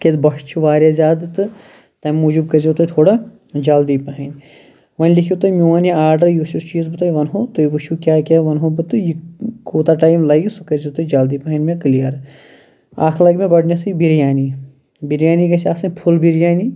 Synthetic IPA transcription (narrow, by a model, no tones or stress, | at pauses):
ket̪bɐʃt͡ʃʰuʋaːɾazʲaːd̪ɨt̪ɨ | t̪ɐjmːuːd͡ʒub̚kɐɾzʲit̪ojt̪ʰoːɽa | d͡ʒaːld̪ipɐɦɐnʲ | ʋɐnʲlikʰʲjut̪omʲuaːniaːɾɖəɾjuʃust͡ʃiːzbɨt̪aːjʋɐnɦot̪ojbuʃukʲaːkʲaʋɐnɦobɨt̪ɨjikʰoːt̪aʈaːjmlɐjksukɐɾd͡ʒit̪od͡ʒaːld̪iːpɐɦɐnmẽklijɐɾ | a̰ːkʰlɐɡmẽɡɔɖnesuibiɾjaːni | biɾjaːniɡɐsʲaːsɐnpʰulbiɾjaːni